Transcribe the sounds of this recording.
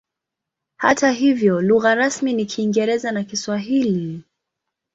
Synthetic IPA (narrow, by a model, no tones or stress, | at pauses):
ha̰taɦivjɔluɣaɾasminikʰiːŋɡɛɾɛzanakiswaɦili